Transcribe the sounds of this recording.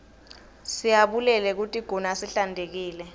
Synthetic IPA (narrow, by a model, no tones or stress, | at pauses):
sijaɓulɛlɛk̬utʼiɡ̥ʱɔnasiɬandʱek̬iːlɛ